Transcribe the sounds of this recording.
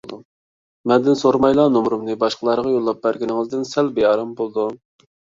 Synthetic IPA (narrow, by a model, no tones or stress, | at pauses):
d̪u | mɛnd̪ɪnsoɾmɑjlˠɑːnomɾumnɨbɑʃqəlˠɑɾʁɑjolˠːɑp̚bæɾɡʲɪnɪŋɨzd̪ɪnsælbejɑɾɑmbolˠd̪u